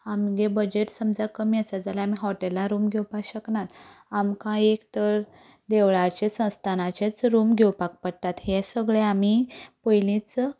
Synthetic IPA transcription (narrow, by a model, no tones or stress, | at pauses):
amɡebəd͡ʑeʈsəmd͡zakəmiəsad͡zalaamiɦɔʈelːãɾuːmɡʱewpakɕəknat̪amkãekt̪əɾ | d̪eʋɭat͡ɕesə̃w̃st̪ʰanat͡ɕet͡sɾumɡʱewpak̚pəɽt̪at̪ɦɛsəɡɭeamipəjlĩt͡s